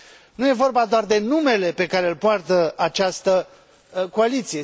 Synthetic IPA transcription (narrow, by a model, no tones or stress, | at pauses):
nuje̞vo̞rbad̪oard̪e̞nume̞le̞pe̞kaɾe̞ɨlpoart̪əat͡ʃast̪ə | ko̞alit̪sije